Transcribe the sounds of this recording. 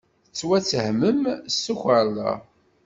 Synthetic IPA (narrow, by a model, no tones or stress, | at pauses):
ət͡sːwæt͡sːəhməmsːuxəɾla̰